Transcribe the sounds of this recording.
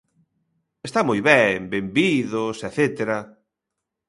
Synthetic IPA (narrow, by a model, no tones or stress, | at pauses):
est̪amojβɛmbembiðʊsɛθet̪eɾɐ